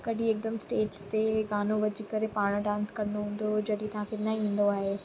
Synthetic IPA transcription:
kɐɗĩeːk̚d̪əmsʈeːd͡ʒt̪eɡaːnoʋɐd͡ʑikɐɾepaːɽ̃ɖãːnskɐɾnoɦũːn̆d̪od͡ʑɐɽit̪ɐãfɪɾnɐɦĩːn̆d̪oaːɦeː

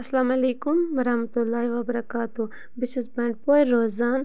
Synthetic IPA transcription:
ɐslaːmaleːkumwɐɾɐhmɐt̪ulːaːiʋabɐɾɐkaːt̪u | bɪsnisbaɳʈ̚poːiːoːzaːn

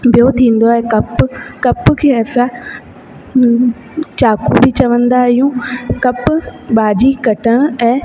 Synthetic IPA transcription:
bijot̪ʰĩːn̆d̪oɛ̃kɐpkɐpkʰeːɐsã | t͡ɕaːkʰũbʱɪt͡ɕɐʋə̃nd̪aɦɪjũkɐpɓaːd͡ʑikɐʈəɽ̃ʊ̆ɛ̃ː

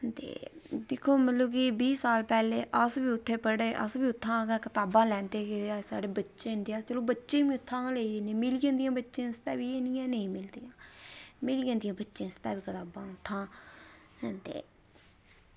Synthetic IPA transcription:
t̪ḛːd̪ɪkʰːoːmət̪loːkibiːsaːlpɛːleːʔəsbiːʊt̪ʰːeːpəɽeːʔəsbiːʊt̪ʰːãːɡãːkət̪aːbãːlɛ̃ːnd̪eːkeasa̰ːɽeːbətːʃẽːnd̪eːaːt͡ʃəlõːbətːʃẽːʋĩːʊt̪ʰːãːleid̪enẽːmɪlijãːd̪ɪjãːbətːʃẽːst̪aːʋiːeːnijãːnəĩːmɪld̪eːãːmɪliɡãːnd̪ɪijãːbətːʃẽːst̪a̰ːbiːkət̪aːbãːʊt̪ʰːãː | ɦnt̪ḛː

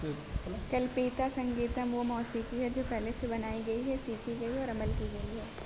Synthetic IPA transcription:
bɪlkɐlpiːt̪asɐ̃ŋɡiːt̪əmʋomɔːsiːkiɦɛd͡ʒoːpɛɦlesebɐnaːiɡɐiɦɛsiːkʰiɡɐiɔːɾɐməlkiɡɐiɦɛː

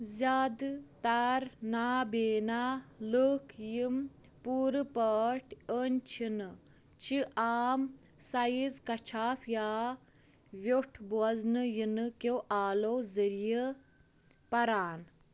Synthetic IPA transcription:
zʲaːd̪t̪aɾnaːbeːnaːləkʰjim | puːɾɨpəːʈʰʲənʲt͡ʃʰinɨ | t͡ʃʰiʔaːm | sɐjizkɐt͡ʃʰaːpʰjaː | ʋjoʈʰbɐznɨjinɨkoʔaːloːzəɾijə | pɐɾaːn

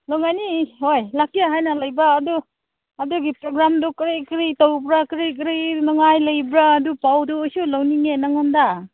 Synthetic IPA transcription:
lɔwŋajnihojlakijaɦajnalajbaːdu | aduɡipɾoɡɾamdɔkɾikɾitawbɾakɾikɾinaŋajlɯjbɾaːdupawduːjsulawniŋenaŋanda

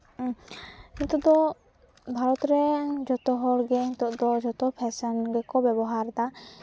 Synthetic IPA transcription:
int̪ud̪ɔ | bʱaɾɔt̪ɾɛd͡ʒɔt̪ɔɦɔlɡɛiŋt̪ɔʔd̪ɔd͡ʒɔt̪ɔpʰɛsanɡɛkɔbɛbɔɦaɾd̪a

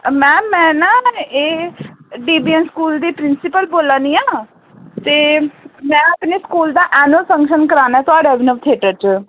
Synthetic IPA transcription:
mɛ̃ːmɛ̃ːnãːeː | ɖiːbiːɛnskuːld̪iːpɾɪnsɪpəlboːlãːnĩːaː | t̪eːmɛ̃ːəpneːskuːld̪aːʔɛːnʊəlsə̃ŋkʃənkəɾaːnaɛːt̪ʊaːɖaːbɪnət̪ʰeːʈət͡ʃ

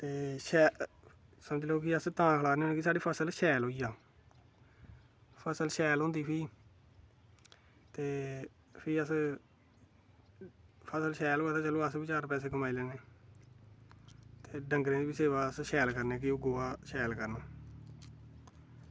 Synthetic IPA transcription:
t̪eːʃɛː | səməd͡ʒloːkɪəst̪ãːkʰəlaːneːñːkɪsaːɖiːpʰəsəlʃɛːlɦoːiːjaː | pʰəsəlʃɛːlõːnd̪iːpʰiː | t̪eː | pʰiːəs | pʰəsəlʃɛːloːaːt̪aːt͡ʃəloːəsbiːt͡ʃaːɾpɛːs̬eːkəmaːiːlɛːneː | t̪eːɖə̃ŋɡɾẽːd̪iːbiseːʋaːəsʃɛːlkəɾneːk̬ɪʊɡoːaːʃɛːlkəɾnaː

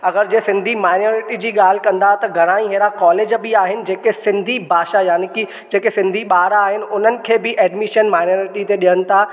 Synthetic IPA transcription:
ɐɡəɾd͡ʑeːsɪ̃nd̪ʱimaːɪnoːɾɪʈid͡ʑiːɠaːl̤ɪkɐ̃nd̪at̪ɐɡʱɐɽ̃aːĩɦeːɾakɔːleːd͡ʑbɪaːɦɪnɪ̆d͡ʑeːkesɪ̃nd̪ʱibʱaːʃajaːnɪki | d͡ʑeːkesɪ̃nd̪ʱiɓaːɾaaːɦɪnɪ̆ʊn̤ənɪ̆kʰeːbɪʔɛːɖmiʃənmaːɪnoːɾɪʈit̪eɗijənɪ̆t̪ʰa

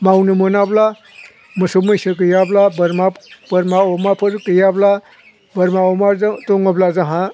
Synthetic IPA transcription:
mawnɯmɯnabla | mɯsumɯjsɯk̬ɯjablabɾmabəɾmaɔmapʰɯɾkɯjabla | bɐɾmaɔmatɔŋɔblazaɦa

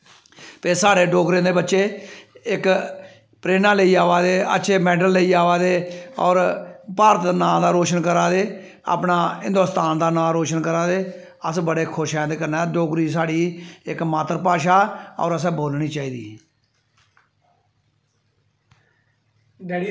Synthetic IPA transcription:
p̪eːsaːɽeːɖoːɡɾẽːd̪eːbətːʃeːɪk | pɾeːnãːləiːaːʋaːd̪eːə̰ːʃʰeːmɛːɖəlːəiːaːʋaːd̪eːɔ̰ːɾpaːɾət̪nãːd̪aːɾoːʃənkəɾaːd̪eː | a̰ːpnaːɪnd̪ost̪aːnd̪aːnaːɾoːʃənkəɾaːd̪eː | əsbəɽeːkʰʊʃɛ̃ːd̪eːkənaːɖoːɡɾiːsaːɽiːɪkmaːt̪əɾpaːʃaːɔ̰ːɾəs̬ɛ̃ːboːlniːt͡ʃaːiːd̪ḭː

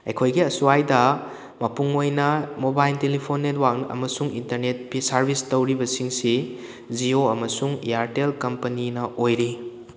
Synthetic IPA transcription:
ɐjkʰojɡiɐsuajdɐ | mɐpuŋojnɐmobajltelipʰonːetwaŋnɐ̰mɐsuŋḭntɐɾnet̚pisɐɾbʱistɐwɾibɐsiŋsi | d͡ʒioɐmɐsuŋḭjaɾtelkɐmpɐninɐʔojɾi

